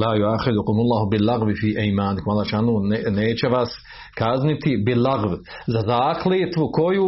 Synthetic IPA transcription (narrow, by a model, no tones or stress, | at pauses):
laːjuaxɪd̪ukʊmulˠːaːɦubilːaɣʋifiːʔejmaːnkmalːaʃaːnuːneːt͡ʃeʋas | kaznit̪ibilaɣʋ | zazaːkleːt̪ʋukojuː